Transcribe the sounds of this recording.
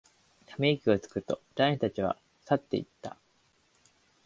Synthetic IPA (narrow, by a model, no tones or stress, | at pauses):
t̪ʰamʲekʲio̞t͡sɨ̥kɯ̟t̪ːo̞d̪ãɕi̥t̪at͡ɕiβ̞a̰ | sat̪ːe̞ḭt̪ːa̰